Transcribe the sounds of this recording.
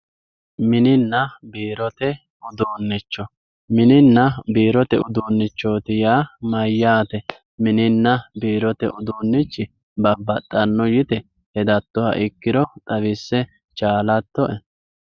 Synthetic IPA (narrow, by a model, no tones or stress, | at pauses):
mɪnɪnːɐbiːɾɔt̪ɛ | ʊd̪uːnːɪt͡ʃːɔ | mɪnɪnːɐbiːɾɔt̪ɛʊd̪uːnːɪt͡ʃːoːt̪ɪjaːmɐjːaːt̪ɛ | mɪnɪnːɐbiːɾɔt̪ɛ̰ʔʊd̪uːnːɪt͡ʃːɪ | bɐbːɐt̪ʼːɐnːɔjɪt̪ɛ | hɛd̪ɐt̪ːɔhɐ̰ʔɪkːɪɾɔt̪ʼɐʋɪsːɛ | t͡ʃaːlɐt̪ːɔʔɛ